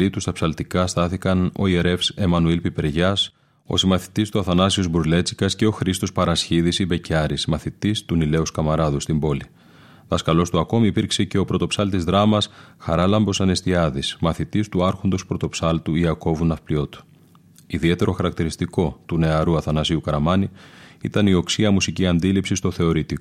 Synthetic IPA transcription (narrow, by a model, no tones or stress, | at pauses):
it̪ust̪ɐpsɐlt̪ikɐst̪ɐθikɐno̞̰ieɾe̞fse̞mɐnuilpipe̞ɾʝɐs | o̞̰simɐθi̥t̪ist̪uɐθɐnɐsiozbɾuzle̞t͡si̥kɐsceo̞xɾist̪o̞spɐɾɐsçiðisibe̞cɐɾismɐθit̪ist̪unile̞uskɐmɐɾɐðust̪imbo̞li | ðɐskɐlo̞st̪uɐko̞miːpiɾkse̞ce̞o̞pɾo̞t̪o̞psɐlt̪izðɾɐmɐsxɐ̰ɾɐlɐmbo̞sɐne̞st̪iɐðismɐθit̪ist̪uɐɾxo̞nd̪o̞spɾo̞t̪o̞psɐlt̪uiɐko̞vunɐfplio̞t̪u̥ | iðie̞t̪e̞ɾo̞xɐɾɐkt̪iɾist̪iko̞t̪une̞ɐɾuɐθɐnɐsiukɐɾɐmɐniḭt̪ɐnio̞ksiɐmusiciɐnd̪ilipsist̪o̞θe̞o̞ɾit̪i